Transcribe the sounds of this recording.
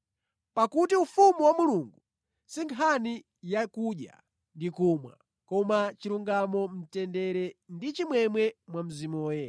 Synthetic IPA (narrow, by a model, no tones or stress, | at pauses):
pakutiufumuwamuluŋɡu | siŋkʰani | jakuɗja̰ | ndikumwa̰ | kɔmat͡ʃiɾuŋɡamɔm̩tɛndɛɾɛndit͡ʃimwɛmwɛmwam̩zimɔːjɛ